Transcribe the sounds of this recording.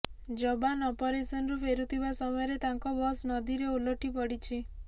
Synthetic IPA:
d͡ʒɔbanɔpɔɾesɔnɔɾupʰeɾut̪ʰibasɔmɔjɔɾet̪aŋkɔbɔsnɔd̪iɾeuloʈipɔɽit͡ʃʰi

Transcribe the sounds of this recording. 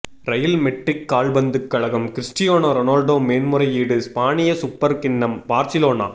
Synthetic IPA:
ɾɐjɐlmɛʈrɪkːaːɭbɐnd̪ɯkːɐɭɐɣɐmkɪɾɪsʈɪjoːnɐɾɔnaːlɖoːmeːnmʊɾɐɪiːɽɯspaːnɪjɐsʊpːɐɾkɪɳːɐmbaːɾsɪloːna̰ː

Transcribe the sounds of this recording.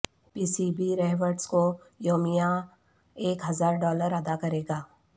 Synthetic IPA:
piːsiːbiɾɛːɦʋəɾɖsko | joːmija | eːkɦɐzaːɾɖɔːləɾad̪akɐɾeːɡaː

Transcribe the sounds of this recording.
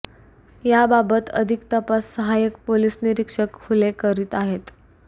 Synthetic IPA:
jababət̪ə̰d̪ʱikt̪əpasːəɦajəkpoliːsniɾikʂəkhulekəɾiːt̪aɦet̪

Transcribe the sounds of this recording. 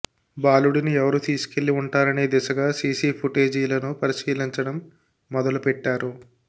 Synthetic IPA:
baːluɽiniɛʋɐɾut̪iːsu̥ke̞ɭːiuɳʈaːɾɐneːd̪ɛsɐɡaːsiːsiːpʰuʈe̞ːd͡ʒiːlɐnupɐɾiʃiːliɲt͡ʃɐɽɐmː | ɔd̪ɐlupɛʈːaːɾu

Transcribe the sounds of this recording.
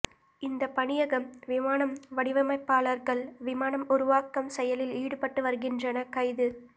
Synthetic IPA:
ɪnd̪ɐpɐɳɪjɐɣɐmʋɪmaːnɐmʋɐɽɪʋɐmɐɪpːaːlɐɾɣɐɭʋɪmaːnɐmʊɾʊʋaːkːɐmsɛjɐlɪliːɽɯpɐʈːɯʋɐɾɣɪndrɐnɐkɐɪðɯ

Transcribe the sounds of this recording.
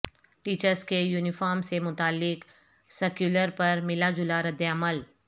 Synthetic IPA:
ʈiːt͡ʃəɾskejuːnɪfaːɾmsemʊt̪aːlːɪk | səkjuːləɾpɐɾmɪlad͡ʒʊlaɾəd̪ːjəəməl

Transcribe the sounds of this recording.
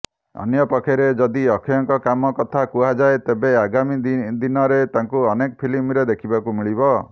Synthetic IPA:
ɔ̰njɔpakʰeɾed͡ʒɔd̪iɔkʰijɔŋkɔkamɔkɔt̪ʰakuɦad͡ʒaet̪ebeaɡamid̪d̪inɔɾet̪aŋkuɔnekɔpʰilimɾed̪ekʰibakumiɭibɔ

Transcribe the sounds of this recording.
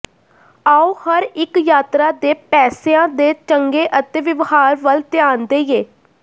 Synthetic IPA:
aːoːhəɾɪkjaːt̪ɾaːd̪eːpɛːseãːd̪eːt͡ʃəŋɡeːʔət̪eːʋɪʋhaːɾʋəlt̪ɪjaːnd̪eːijeː

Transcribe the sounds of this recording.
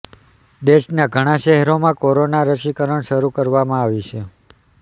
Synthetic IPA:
d̪eʃnaɡʱəɽ̃aʃɛɦɛɾomãkoɾonaɾəʃikəɾəɳʃəɾukəɾʋamãaʋit͡ʃʰe

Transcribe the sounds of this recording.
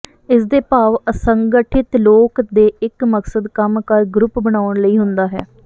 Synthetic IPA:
ɪsd̪eːpaːʋəsəŋɡəʈʰɪt̪loːkd̪eːɪkməksəd̪kəmkəɾɡɾʊpbəɽ̃aːəɳləiːɦʊnd̪aːɦɛ̰ː

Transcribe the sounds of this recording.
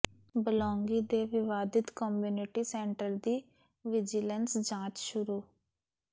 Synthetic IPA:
bəlɔːŋɡiːd̪eːʋɪʋaːd̪ɪt̪kɔːmjuːnɪʈiːsɛːɳʈəɾd̪iː | ʋɪd͡ʒɪlənsd͡ʒãːt͡ʃʃʊɾuː

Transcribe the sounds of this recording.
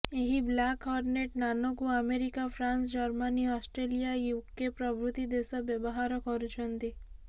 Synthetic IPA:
eɦiblakɔɾneʈnanɔkuameɾikapʰɾansd͡ʒɔɾmaniɔsʈɾelijajukːepɾɔbʱɾut̪id̪esɔbjɔbɔɦaɾɔkɔɾut͡ʃʰɔnt̪i

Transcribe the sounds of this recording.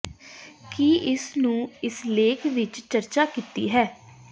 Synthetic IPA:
kiɪsnũːɪsleːkʰʋɪt͡ʃt͡ʃəɾt͡ʃaːkiːt̪ḭːɦɛː

